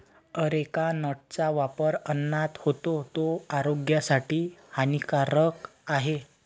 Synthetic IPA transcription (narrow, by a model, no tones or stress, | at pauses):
əɾekanəʈ̚t͡saʋapəɾənːat̪hot̪ot̪oaɾoɡjasaʈiːhanikaɾəkaɦe